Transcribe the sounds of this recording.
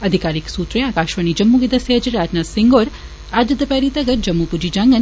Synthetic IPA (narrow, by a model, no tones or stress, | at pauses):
əd̪ʱikaɾiksut̪ɾeakaʃʋənid͡ʒɐmːuɡid̪ɐsjad͡ʒiɾad͡ʒnasiŋɡoɾ | ad͡ʒɐd̪əpɛɾit̪ɐɡəɾd͡ʒɐmːupud͡ʒid͡ʒãŋɡən